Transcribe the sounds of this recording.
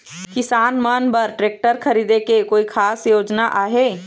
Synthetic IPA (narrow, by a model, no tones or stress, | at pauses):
kɪsaːnmənbəɾʈɾeːk̚ʈəɾkʰəɾiːd̪ekekoːikʰaːsjoːd͡ʒnaʔaːɦe